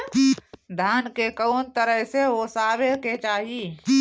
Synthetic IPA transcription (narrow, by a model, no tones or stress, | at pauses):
d̪ʱaːnkekəːnt̪əɾəɦseosaːbeket͡ʃaːɦiː